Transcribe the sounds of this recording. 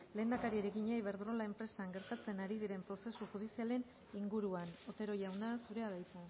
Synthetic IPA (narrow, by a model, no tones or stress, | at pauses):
le̞ːnd̪akaɾieɾeɣiɲejβe̞ɾðɾo̞lae̞mpɾe̞saŋɡe̞ɾt̪at͡senaɾið̞iɾe̞mpɾo̞se̞suxuð̞isiale̞n | iŋɡuɾuano̞t̪e̞ɾo̞jawnasuɾe̞aðajt̪u